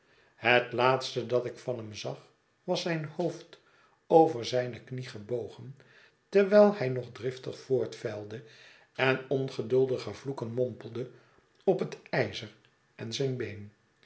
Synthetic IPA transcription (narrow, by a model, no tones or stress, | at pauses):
ɦətlaːtstədɑtɪkfɑnɦɛmzɑχ | ʋɑsɛjnhowft | owvəɹzɛjnəkniχəbowχən | tɛɹʋɛjlˠhɛjnɔχdrɪftəχfʊːɹtfɛlˠdə | ɛnɔnχədɵlˠdəχəvlukənmɔmpəlˠdə | ɔpətɛjzər | ʔɛnzɛjnbejn